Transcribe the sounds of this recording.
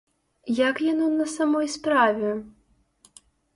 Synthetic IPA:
jakjanɔnɐsamɔjspɾavʲɛ

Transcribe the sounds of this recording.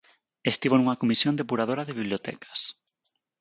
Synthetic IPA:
est̪iβonuŋakomisjond̪epuɾaðoɾaðeβiβliot̪ɛ̰kḁs

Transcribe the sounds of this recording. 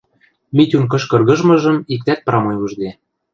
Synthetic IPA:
mʲitʲunk̬ɤ̆ʃkɤ̆rɣɤ̆ʒmɤ̆ʒɤ̆mik̚t̪æt̪̚pɾɑmojuʒd̪e

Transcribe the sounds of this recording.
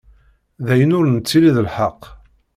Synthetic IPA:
ðæjənʊɾnət͡sːiliðəlħəqː

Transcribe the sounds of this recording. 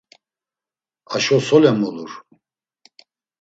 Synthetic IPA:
aʃɔsɔlɛmɔluɾ

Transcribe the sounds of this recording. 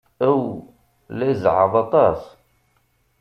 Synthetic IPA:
æw | læjzʕə̰ðˤɑt̪ˤɑs

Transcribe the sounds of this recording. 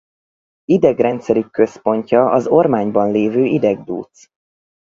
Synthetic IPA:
id̪ɛɡrɛnt̪sɛɾykːø̞spo̞ɲcɒɒzo̞rmaːɲbɒnleːvøːid̪ɛɡd̪ṵːt̪s

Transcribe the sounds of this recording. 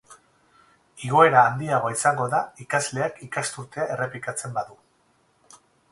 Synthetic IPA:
iɣo̞e̞ɾaːnd̪iaɣoaisaŋɡo̞ðaikazle̞akikast̪uɾt̪e̞ae̞re̞plikat͡se̞mbaðu

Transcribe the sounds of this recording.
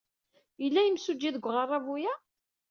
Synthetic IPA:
əlːæjəmsud͡ʒːiðəɡʷʁərˤːɑvujæ

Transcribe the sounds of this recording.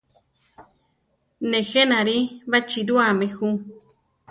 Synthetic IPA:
nẽxenãɾiβat͡ʃiɾuamẽxu

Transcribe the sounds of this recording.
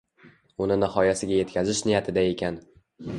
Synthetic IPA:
ʊnɪnɪhɒjasɪɡʲaje̞t̪kʰʲazɪʃnɪjat̪ʰɪd̪ae̞kʲʰan

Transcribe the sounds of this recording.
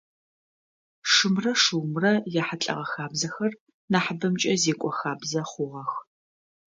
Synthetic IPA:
ʂɨmrɐʂɨwmrɐjaːħat͡ɬʼɐ̰ʁɐxaːbzɐxɐr | naːħabɐmt͡ʃʼɐzeːkʷʼɔxaːbzɐχʷʊʁɐx

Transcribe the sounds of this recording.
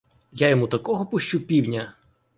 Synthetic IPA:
jajɔmut̪ɐkɔɦɔpʊʃt͡ʃupʲiwnʲɐ

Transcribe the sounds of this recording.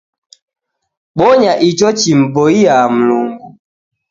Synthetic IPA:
ɓɔɲaʔit͡ʃɔt͡ʃim̩bɔiam̩luŋɡu

